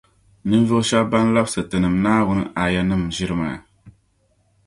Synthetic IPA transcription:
nɨ˦n˦vɨ˦ʃa˦bba˦n˦la˦bsɨ˨tɨ˨nɨ˨mnaː˦wʊ˦nɨ˦ʔa˨ja˦nɨ˦mʒi˦ɾɨ˦ma̰˨

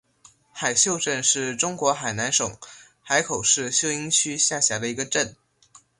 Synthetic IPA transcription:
xa˨˩ɪɕjo˥˧ʊʈ͡ʂə˥˧nʂɻ̩˥˩ʈ͡ʂʊ˥ŋkwɔ˧˥xa˨˩ɪna˧˥nʂʊ˨˩˦ŋ | xa˧˥ɪkʰo˨˩ʊʂɻ̩˥˧ɕjo˥˩ʊi˥ŋt͡ɕʰy˥ɕja˥˩ɕja˧˥d̪ə˧i˧˥ɡə˧ʈ͡ʂə˥˩n

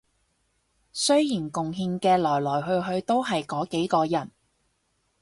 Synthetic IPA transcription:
sɵ˥ɥjiː˨˩nkʊ˨ŋɦiː˧nkɛː˧lɔː˨˩jlɔː˨˩jɦɵ˧ɥɦɵ˧ɥt̪o˥wɦɐ˨jkɔː˨˥ke˨˥jkɔː˧jɐ˨˩n

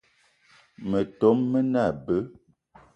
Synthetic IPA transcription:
mə˨to˨˦mːə˦na˦˨bə˦

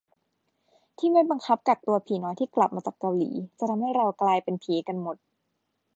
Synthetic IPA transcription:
t̪ʰiː˥˩ma˥˩jba˧ŋkʰa˦˥p̚ka˨˩k̚t̪u˧ɐpʰiː˨˩˦nɔː˨˦jt̪ʰiː˥˩kla˨˩p̚maː˧t͡ɕaː˨˩kːa˧wlḭː˩˦t͡ɕa˨˩t̪ʰa˧mha˥˩jɾa˧wklaː˧jpe˧npʰiː˨˦ka˧nmo˨˩t̪̚

